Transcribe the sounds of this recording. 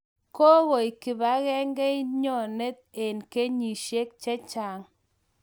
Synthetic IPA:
kɔ˦ɣɔ˨i˨kɪ˨ba˨˦ɣɛ˦ŋɡɛ˦ɲɔ˦˨ne˦t̪̚e˨nke˦ɲi˨ʃe˦k̚t͡ʃɛ˦t͡ʃa˨ŋ

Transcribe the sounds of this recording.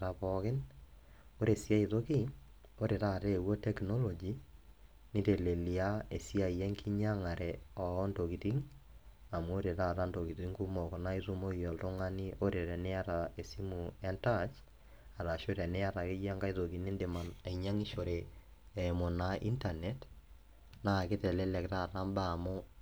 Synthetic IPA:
ɾa˨pɔkɪ˦n | o˦ɾe˨si˦a˦i˨ðo˦ki˦ | o˦ɾe˨ɾa˦˨ɾe˦wɔ˦tɛ˦kno˦lo˨d͡ʒi˦ | ni˦ɾe˨le˨li˨a˦e˨si˦a˦˨i˨jɛ˦ŋki˦ɲa˦ŋa˨ɾʔɛɔ˨ɔ˦ndo˨ki˨ti˦ŋ | a˨mwo˦ɾe˨ɾa˦ɾa˦ndo˨ki˨ti˦ŋku˦mɔ˨ko˨na˦i˦su˦mo˦i˨jɔ˨lto˦ŋa˦ni˦o˦ɾe˨ɾɛ˨ne˦a˦ɾa˨e˨si˦mu˨ɛ˦nta˦t͡ʃ | a˨ɾa˨ʃo˦ɾɛ˨ne˦a˦ɾa˨ke˦ja˦ŋɡa˦i˦to˨ki˨ni˦nde˨ma˨na˨iɲa˦ŋi˦ʃo˨ɾe˨ | e˨mo˨na˨ʔḭ˦nta˨net | na˦˨kɪ˦tɛ˨lɛ˦lɛ˨kta˦˨ta˦mba˦˨mʊ˦

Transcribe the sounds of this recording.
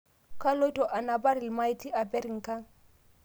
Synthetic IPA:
ka˦lo˦jtɔ˨ʔa˨na˨ba˦ɾi˨lma˦i˦ti˦ʔa˨bɛ˦ɾi˨ŋ̩˨ka˦ŋ

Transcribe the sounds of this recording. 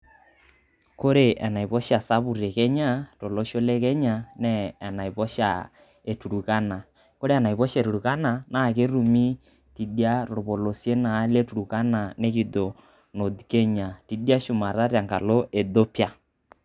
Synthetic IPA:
ko˦ɾe˨ʔɛ˨na˨pɔ˦ʃa˨sa˦bu˨re˨kɛ˦ɲa˦to˨lo˦ʃo˦le˦kɛ˦ɲa˨nɛː˦˨na˨i˨pɔ˦ʃa̰˨ | e˨tu˨ɾu˨ka˦na˨ | ko˦ɾe˦ɛ˨na˨i˨pɔ˦ʃe˨ɾu˨ɾu˨ka˦na˨na˦˨ke˦ɾu˨mi˦ | ti˨di˦a˦ro˨bo˨lo˨sje˦na˨˦le˦tu˨ɾu˨ka˦na˨ne˦ki˨do˨ | no˨dkɛ˦ɲa˨ti˨di˦a˦ʃu˨ma˨ɾa˦rja˨ŋɡa̰˨lo˦ʔe˨do˦pja˦

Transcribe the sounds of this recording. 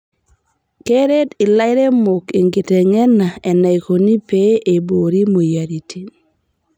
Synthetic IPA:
ke˦ɾe˦dɪ˨la˦ɪ˦ɾe˦mo˨ke˨ŋɡɪ˨te˨ŋɛ˦na˨e˨na˨i˨ko˨ni˦pe˦e˨bo˨ɾi˦mo˨ja˨ɾi˨tʰi˨

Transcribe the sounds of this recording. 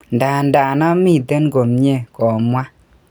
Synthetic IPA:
nda˨nda˨nɔ˦mi˦˨te˦nko˨mɲe˦˨kɔ˨mwa˦

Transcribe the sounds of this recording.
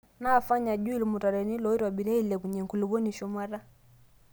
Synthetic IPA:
naː˦˨fa˦ɲa˨d͡ʒu˦i˦li˨mu˨ta˨ɾɛ˨ni˦lɔ˨˦i˦ɾwa˨ɓi˨ɾɛ˦i˦lɛ˨ku˨ɲɛ˨ŋku˨lu˨βɔ˦ni˨ʃɔ˨mwa˦ɾa˦

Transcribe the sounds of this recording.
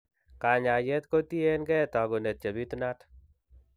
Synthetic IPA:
ka˨ɲa˨jɛ˦tko˦ti˦enɡɛ˦ta˨ɡo˨ne˨t̚t͡ʃe˨bi˦tuna˦t

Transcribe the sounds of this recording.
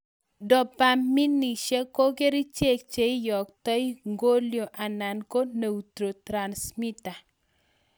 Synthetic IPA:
dɔ˨pa˨mːi˦ni˨ʃe˦ko˦ke˦ɾi˦t͡ʃe˦˨k̚t͡ʃe˨i˦jɔ˨k̚tɔ˦jŋɡo˦ljo˨ʔa˨na˨nko˦ne˨u˨tɾo˨tɾa˨nsmi˦ta˨

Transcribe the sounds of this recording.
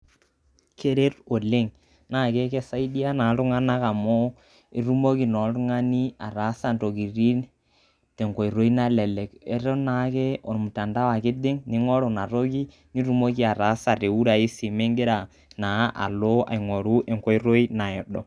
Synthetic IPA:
kʰe˦ɾe˦ɾo˨le˦ŋ | na˦˨ke˦kɛ˦sa˦i˦di˦a˦na˨˦tʊ˦ŋa˦na˦ka˨mɔ˦ | i˦ɾu˦mo˦ki˨nɔ˨˦tʊ˦ŋa˦ni˦a˨ɾa˨˦sa˨nto˨ki˨ɾi˦n | tɛ˨ŋko˨i˨ɾo˦i˦na˦lɛ˨lɛ˨kɛ˦ɾɛ˦na˨˦ke˦o˨mʊ˨ta˨nda˦wa˨kɪ˦dɪ˦ŋnɪ˦ŋɔ˦ɾo˨na˨ɾo˦ki˦ | ni˦ɾu˦mo˦ki˦a˨ɾa˨˦sa˨re˨wu˦ɾa˨e˦si˨me˦ŋɡɪ˦ɾa˨ | na˨˦ʔa̰˨lo˦a̰˨i˨ŋo˨ɾu˦ʔɛ˨ŋko˦i˦ɾo˦i˦na˨ɛ˨dɔ˨

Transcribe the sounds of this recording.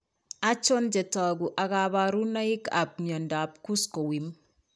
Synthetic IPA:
a˦t͡ʃo˦nd͡ʒɛ˨ta˨ɡu˨ʔa˨ɡa˨βa˨ɾu˦na˦i˦ka˨p̚ɲɔ˨nda˨p̚ku˦sko˨wi˨m

